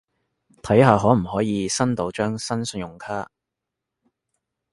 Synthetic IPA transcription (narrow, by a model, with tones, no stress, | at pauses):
t̪ʰɐ˨˥jɦaː˨ɦɔː˨˥m̩˨˩hɔː˨˥jiː˨˧sɐ˥nt̪o˨˥wt͡ʃœː˥ŋsɐ˥nsɵ˨˧njʊ˨˩ŋkʰaː˥